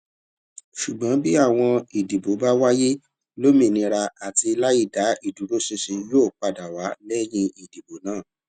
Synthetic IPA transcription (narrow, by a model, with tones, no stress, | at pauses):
ʃu˨ɡ͡bɔ̃˨˦bi˦a˦˨w̃ɔ̃˧i˨di˨bo˨˦ba˦wa˦je˦ | lo˦mĩ˧˨nĩ˧ɾa˧a˨ti˧la˦i˦˨da˨˦i˦˨du˨˦ɾo˦si˦si˧joː˦˨k͡pa˧da˨wa˨˦lɛ˦j̃ĩ˦i˨di˨bo˨˦nãː˦˨